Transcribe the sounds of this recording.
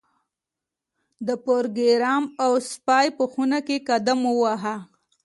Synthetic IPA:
d̪əpoɾɡeɾɑmawspɑjpəxunakekad̪amuwaɦa

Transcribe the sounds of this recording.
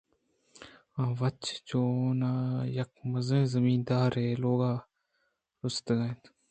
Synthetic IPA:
ãːʋɐt͡ʃt͡ʃoːnajɐk̚mɐzẽːzəmiːnd̪aːɾɦeːloːɡãː | ɾʊst̪ɡãt̪

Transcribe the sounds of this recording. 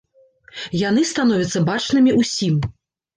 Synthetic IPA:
janɨst̪an̪ɔvʲɐt̪sːɐbat͡ʂnɨmʲiʔusʲim

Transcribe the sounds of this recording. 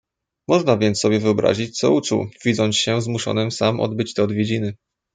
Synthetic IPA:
mɔʐnavʲjɛnt̪ssːɔbʲjɛvɘɔbɾa̰ʑit͡ɕt̪sɔ̰ut͡ʂṵwvʲizɔnsɕɛzmuʂɔ̰nɘmsamɔ̰d̪bɘt͡ɕt̪ɛɔd̪vʲjed͡ʑinɘ

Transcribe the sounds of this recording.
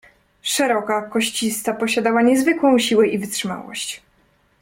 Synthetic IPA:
ʂɛɾɔkakɔɕt͡ɕist̪apɔɕad̪awaɲɛzvɘkwɔ̃w̃ɕiwɛʔivɘtʂɘma̰wɔ̰ɕt͡ɕ

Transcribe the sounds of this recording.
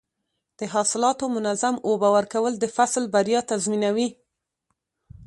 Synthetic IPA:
d̪̥əɦɑsɪlɑt̪omʊnazamobawaɾkawəld̪əfaslbaɾjɑt̪azminawi

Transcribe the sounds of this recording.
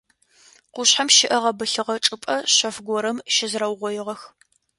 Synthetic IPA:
qʷʊɕħamʃɪʔɐʁɐbɨɬɨʁɐʈ͡ʂʼɨpʼɐɕɐfɡʷɔɾɐmʃɪzrɐwʁʷɔjɪʁɐx

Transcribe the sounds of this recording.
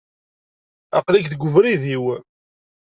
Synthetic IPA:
ɑqlækðɡʊvɾiðiw

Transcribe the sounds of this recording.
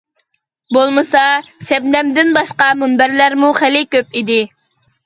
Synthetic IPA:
bolˠmɨsɑsɛbnɛmd̪ɪnbɑʃqɑmunbæɾlæɾmuχælɪkʲøp̚id̪ɪ

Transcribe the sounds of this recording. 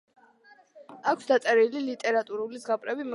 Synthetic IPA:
akʰsd̪at̪sʼɛɾililit̪ʼɛɾat̪ʼuɾulizʁapʼɾɛbim

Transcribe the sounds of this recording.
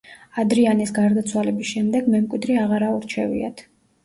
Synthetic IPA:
ad̪ɾianisɡaɾd̪at̪sʰwalɛbisʃɛmd̪ɛɡmɛmkʼwid̪ɾiaʁaɾauɾt͡ʃʰɛvḭa̰t̪ʰ

